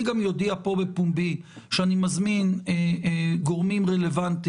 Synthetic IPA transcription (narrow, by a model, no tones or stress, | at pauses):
iɡamjo̞d̪iapo̞be̞pumbi | ʃeanimazmineɡo̞ʁmimʁele̞vant̪i